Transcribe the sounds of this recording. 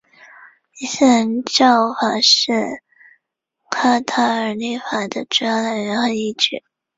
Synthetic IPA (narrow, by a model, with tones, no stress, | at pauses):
i˧˥˩ɕɛ˥˩˧nʈ͡ʂɑ˥˩ʊfa˨˩ʂɻ̩˥˩ | kʰa˥t̪ʰa˥ə˧˥li˥˩fa˨˩d̪ə˧˦ʈ͡ʂu˥jɑ˥˩d̪ə˧˩ɻə˧˥xə˧˥ni˥˩ʈ͡ʂy˥˩